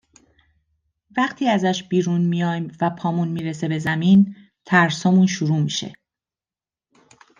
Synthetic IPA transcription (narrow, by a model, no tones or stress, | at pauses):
væχt̪ʰiːæzæʃbiːɾunmijɒːjmvæpʰɒːmunmiːɾe̞se̞be̞zæmiːn | t̪ʰæɾsɒːmunʃuɾuːmiʃe̞̰